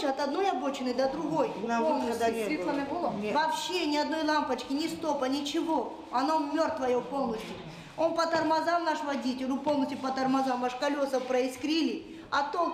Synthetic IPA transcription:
ɐt̪ɐd̪no̞jɐbot͡ɕɪnːɨjd̪ɐd̪ɾʊɡo̞j̪onɐsʲd̪ʲiɐmʲbolˠʲvɐpɕːenʲɪɐd̪no̞jlˠampɐt͡ɕkʲɪnʲɪst̪o̞pɐnʲɪt͡ɕɪvo | ɐnomʲːort̪vɐjopo̞lˠnɐsʲtʲjʊ | onpɐt̪ɐrmɐzamnaʂvɐdʲitʲɪlʲupo̞lˠnəsʲtʲjʊpɐt̪ɐrmɐzamvaʂkɐlʲo̞sɐpɾɐɪskɾʲilʲɪ | ɐt̪on

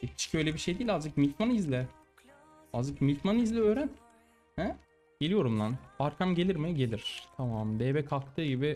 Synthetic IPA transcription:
i̥ʃcʰibøjlʲebiʃe̞jd̪eilʲald͡ʒɯkmit̪manizlʲɛ | ald͡ʒɯkmit̪manizlʲiø̞ːɾæn | hæ | ɟ̥e̞lʲijo̞ɾumlˠanaɾkʰamɟelʲiɾmɛɟe̞lʲiɾ̥t̪ʰamamd̪eːbɛkʰalˠkt̪ʰɯːɟibɪ

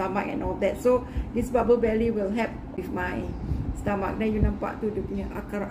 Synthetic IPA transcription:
ama̰kɛ̰̃nɔldɛt̚sodisbabəlbɛliwilɦɛp̚ | wifmãjstama̰k̚nãjunãmpa̰ʔt̪udupinəʔa̰ka

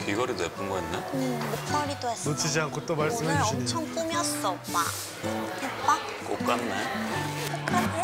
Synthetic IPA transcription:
kiɡʌɾinep͈ʰuŋɡʌinːemut͈ʰaɾit͈oesnot͡ɕʰid͡ʑiankʰot͈omaɭsɯmɦeɕʌiɲt͡ɕʰʌŋp͈umjʌs͈ɔma̰ | pup͈a | k͈ok͈anːe | a

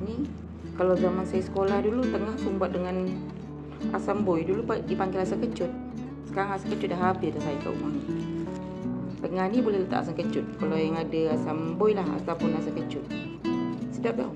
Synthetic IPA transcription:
ni | kalawzamansajasə̥kolahdulut̪əŋahsumbat̪̚dəŋan | a̰sambojdulupadipaŋɡɪlasaŋkət͡ʃʊt̪̚ | sə̥kaɾaŋasaŋkət͡ʃʊt̪̚laɦapidasajaka̰ʔṵmani | t̪əŋahnibolɛhlət̪a̰ʔa̰saŋkət͡ʃʊt̪̚kalajaŋadaasambojlaha̰t̪apʊnasaŋkət͡ʃʊt̪̚ | sədap̚t̪a̰

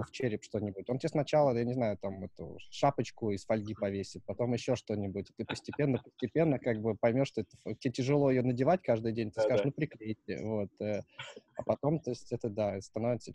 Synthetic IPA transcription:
ft͡ɕeɾʲɪpʂt̪o̞nʲɪbʊtʲontʲesnɐt͡ɕalˠəjanʲɪznajʊt̪amɛt̪ʊ̰ʂapət͡ɕkʊɪsfɐlʲɡʲipɐvʲesʲɪt̪̚pɐt̪o̞mjɪɕːo̞ʂt̪o̞nʲɪbʊtʲɪt̪ɨpəsʲtʲɪpʲe̞nːəpəsʲtʲɪpʲe̞nːəkaɡ̚bɨpɐjmʲo̞ʂt̪oɛt̪ətʲetʲɪʐɨlˠo̞ɪjonədʲɪvatʲkaʐd̪ɨjdʲenʲt̪ɨskaɨʂnupɾʲɪklʲejtʲɪ̰vo̞t̪əɐpɐt̪o̞mt̪osʲtʲɛt̪əd̪aɛst̪ɐno̞vʲɪt̪sə

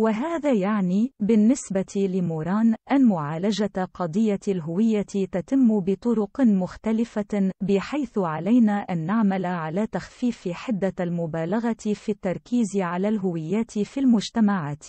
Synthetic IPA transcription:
waɦaːðaːjaʕniːbɪnːɪsbat̪ilɪmuːɾˤɑːnʔanmʊʕaːlad͡ʒaqɑd̪ˤɨjːalɦʊwɪjːat̪t̪at̪ɪmːbɪt̪ˤʊɾʊqmʊxt̪alɪfabɪħajθʊʕalajnaːʔanːaʕmalaʕalaːt̪axfiːfɪħɪd̪ːalmʊbaːlaɣat̪fit̪ːɑɾˤkiːzʕalaːlɦʊwɪjːaːt̪filmʊʒt̪amaʕaːt̪

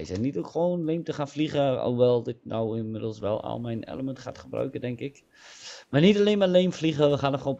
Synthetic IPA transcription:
jsɛnitokχəʋownleːmtəχaːnfliχəo̰ʋɛlˠdɪt̚na̰wɪnmɪdəl̩ˠsʋɛ̰lˠa̰lˠmɛjnɛ̰ləməntχa̰tχəbrœ̰ɥkədɛŋkɪk | marnitaleːnmaleːmfliɣəʋəχaːnɔχoːn

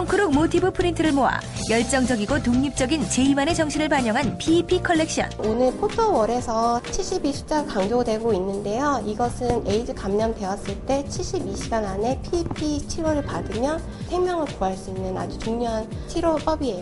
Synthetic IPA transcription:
ʌŋkʰɯɾok̚motʰibɯpʰɯɾintʰɯɾɯɭmoɦa̰ | jʌɭt͡ɕ͈ʌŋd͡ʑʌɡiɡotoŋɲip̚t͡ɕ͈ʌɡint͡ɕe̞imane̞t͡ɕʌŋɕʰiɾɯɭpaɲʌŋɦanpʰipʰikʰʌɭːe̞k̚ɕ͈iʌ̰nonɯɭpʰotʰowʌɾe̞sʰʌt͡ɕʰiɭɕ͈ibiɕʰi̥p̚t͡ɕ͈aɡakaŋd͡ʑodwe̞ɡoinːɯnde̞joiɡʌsʰɯneid͡ʑɯkamɲʌmde̞was͈ɯɭt͈e̞t͡ɕʰiɭɕ͈ibiɕʰiɡanane̞pʰipʰit͡ɕʰiɾoɾɯɭpadɯmjʌn | sʰemjʌŋɯɭkoaɭs͈uinːɯna̰d͡ʑut͡ɕuŋɲoɦant͡ɕʰiɾop͈ʌbie̞jo

